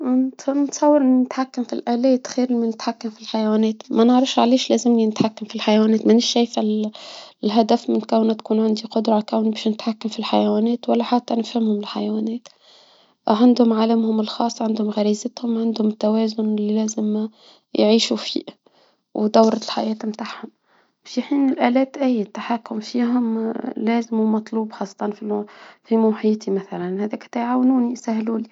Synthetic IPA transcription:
nɪt̪hɪmnsˤɑwːɪɾnɪt̪ħakːamfilʔaːleːt̪xeːɾɪminɪt̪ħakːamfilħajawaːneːt̪manɪʕɾɪfʃʕaleːʃleːzɪmninɪt̪ħakːamfilħajawaːneːt̪manɪʃːeːjfɪl | lɦad̪afmɪnkawnat̪kuːnʕɪnd̪iqʊd̪ɾˤɑkawnbeːʃnɪt̪ħakːamfilħajawaːneːt̪walːaħat̪ːanɪfhɪmhʊmɪlħa̰jawaːneːt̪ | ʕand̪hʊmʕalamhʊmɪlxɑːsˤːʕand̪hʊmɣæɾiːzɪt̪hʊmʕand̪hʊmɪt̪ːawɛːzʊnɪlilæːzɪm | jʕiːʃufḭːʔ | wd̪awɾˤlħajɛːt̪mt̪aʕhʊm | bʃiħiːnɪlʔælɛːt̪ʔæjt̪ːaħakːʊmfiːɦʊmlæːzɪmumɑt̪ˤluːbxɑːsˤːɑ̥t̪ˤɑnfifimʊħiːt̪ʰimæθælænhæðæːkt̪ajʕaːwnuːnisæhluːli

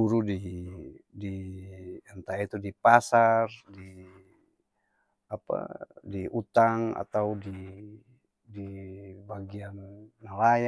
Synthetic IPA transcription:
uɾudi | di | ant̪ait̪udipasardi | apa̰diʔut̪aŋa̰t̪audi | dibaɡianːalaja

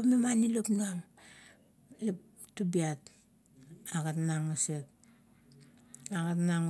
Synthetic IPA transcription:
opmemanilopnuaŋ | lep | tːubiat | aɡatnaŋosep̚ | aɡatnaŋ

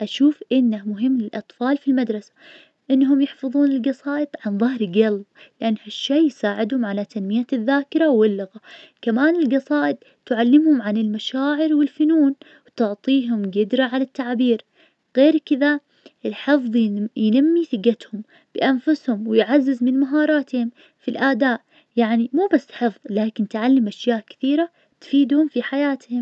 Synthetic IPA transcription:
ʔaʃuːfʔɪnːamʊɦɪmːlɪlʔɑt̪ˤfɑːlfilmad̪ɾˤɑsḁ | ʔɪnːɦʊmjɪħfɑðˤuːnɪlɡɑsˤɑːʔɪd̪ˤʕanðˤɑhɾɡallɪʔanːhaʃːeːjsaːʕɪd̪hʊmʕalat̪ʰanmɪjaðːaːkɪɾˤawɪlːʊɣakamaːnɪlɡɑsˤɑːʔɪd̪̚ | t̪ʕalːɪmhʊmʕanɪlmaʃaːʕɪɾwɪlfʊnuːn | wt̪ʊʕt̪ˤiːɦʊmɡɪd̪ɾaʕalat̪ːaʕbiːɾ | ɣeːɾkɪða | ʔɪlħɪfðˤjjnamːiθɪɡat̪hʊm | b̥ɪʔanfʊshʊmwɪjʕazːɪzmɪnmaɦɑːɾˤɑːt̪hʊm | filʔaːd̪aːʔ | jaʕnimuːbasːħɨfðˤlaːkɪnt̪ʕalːɪmʔaʃjaːʔkɪ̥θiːɾa | t̪fiːd̪hʊmfiħajaːt̪hɪm

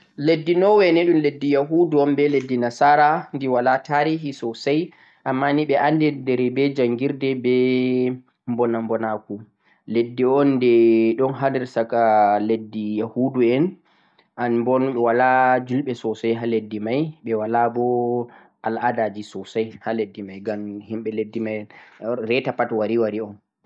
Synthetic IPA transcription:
ledːinɔwɛnɛɗumledːijaɦuduɔnbɛledːinasaɾandiwalataɾiɦisɔsaj | ʔamːaniɓɛʔandɛdɛɾɛbɛd͡ʒaŋɡiɾdɛbɛ | mbɔnambɔnaku | ledːiɔnːdɛɗɔnɦaniɾsakaledːijahuduɛn | ʔanmbɔnɓɛwalad͡ʒulɓɛsɔsajɦaledːimajɓɛwalabɔ | ʔaladad͡ʒisɔsajhaledːimajɡamhimɓɛledːimajnɾɛtapatwaɾiwaɾiɔn

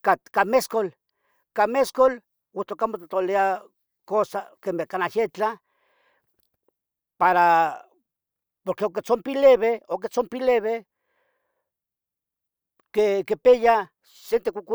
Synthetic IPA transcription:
kakameskol | kameskol | wot͡ɬ̪okamot̪at̪olea | kosakemekanaʃet͡ɬa | paɾa | poɾkeok̬et͡sompileβeok̬et͡sompileβe | kekepeja | sent̪ekʷukʷ

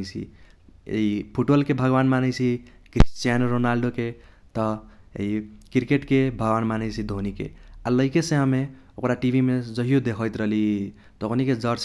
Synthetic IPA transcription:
t͡ʃʰḭḛipʰuʈbəlkebʱʌɡbanmanət͡ʃʰikɾist͡ʃjanɾonalɖoke | t̪ʌḛikiɾkeʈkebʱʌɡbanmanʌjt͡ʃʰid̪ʱonikḛalʌjkesẽɦãme | okɾaʈibʱimed͡zʌɦijod̪ekʰjt̪ɾʌli | t̪okʰoniked͡zʌɾs

